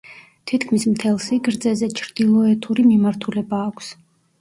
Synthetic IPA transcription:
t̪ʰit̪kʰmismt̪ʰɛlˠsiɡɾd̪zɛzɛt͡ʃʰɾd̪̥ilˠɔɛt̪ʰuɾimimaɾt̪ʰulɛbaːkʷʰs

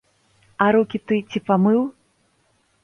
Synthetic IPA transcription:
ɐɾukʲit̪ɨt͡sʲipamɨw

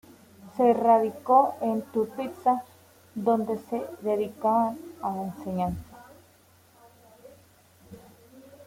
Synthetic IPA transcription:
seraðikoent̪upit̪sa | d̪ond̪e̞seðeðikaβanalaenseɲansḁ

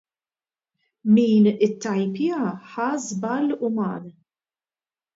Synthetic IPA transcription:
miːnɪt̪ːɐjpɪjɐħɐːzbɐlʊmɐːn

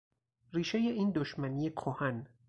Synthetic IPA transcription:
riːʃejeʔiːnd̪oʃmæniːjekʰohæn

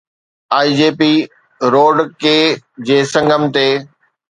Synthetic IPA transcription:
aːid͡ʑeːpi | ɾoːɖkeːd͡ʑeːsɐ̃ŋɡəmt̪eː

